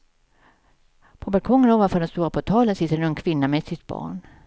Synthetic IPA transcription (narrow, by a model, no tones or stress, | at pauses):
pʰɔbalkʰɔŋːənoːvanfœːɖɛnst̪uːɾapʰɔt̪ʰɑːlənsɪt̪ːəɾɛnɵɛnkʰvɪnːamɛd̪sɪt̪b̥ɑ̰ːɳ